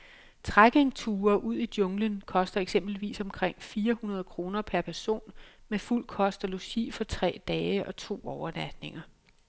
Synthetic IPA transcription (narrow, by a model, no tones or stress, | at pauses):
t͡sʰʁaɡ̥e̝ŋt͡sʰuːɐʔuð̞̰ˠid̥jɔ̽ŋlənkʰɒ̽sd̥ɐeɡ̥sem̰b̥l̩ʋḭːsɒ̽mkʰʁeŋ̰fiːɐhunɐð̞ˠkʰʁo̝ːnɐpʰæɐpʰæɐso̝̰ːnmeful̰kʰɒ̽sd̥ɐlo̝ɕḭːfɒ̽t͡sʰʁɛ̰ːd̥ɛːəʔɒ̽t͡sʰo̝̰ːɒʊɐlæd̥ne̝ŋɐ